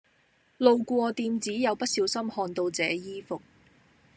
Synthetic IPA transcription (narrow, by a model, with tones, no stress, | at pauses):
lo˨˧wkʷɔː˧t̪iː˧mt͡siː˨˥jɐ˨˧wpɐ˥t̚siː˨˧˥wsɐ˥mhɔː˧nt̪o˧wt͡sɛː˨˧jiː˥fʊ˨k̚